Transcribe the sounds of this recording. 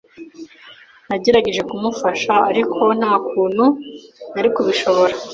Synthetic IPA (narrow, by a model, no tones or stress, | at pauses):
naɟe̞ɾaɟe̞ʒe̞kumufaʃaːɾikʰo̞n̥haːkuːn̥hunaɾikuβiʃo̞βo̞ɾa